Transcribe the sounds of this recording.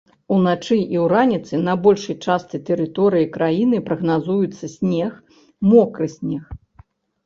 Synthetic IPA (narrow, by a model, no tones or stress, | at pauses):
unat͡ʂɨʔiwɾanʲit̪sɨnɐbɔlʲʂɐjt͡ʂast̪ɨt̪ɛɾɨt̪ɔɾɨjikɾajinɨpɾɐɣnazujut̪sːɐsʲnʲɛx | mɔkɾɨsʲnʲɛx